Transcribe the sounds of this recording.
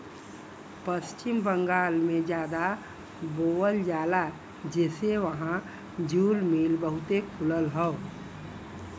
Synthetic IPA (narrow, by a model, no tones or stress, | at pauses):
pəst͡ʃɪmbə̃ŋɡaːlmẽd͡ʒjaːd̪a | boːwəld͡ʒaːla | d͡ʒɛːseʋəɦã | d͡ʒuːlmiːlbəɦʊt̪ekʰʊləlɦəo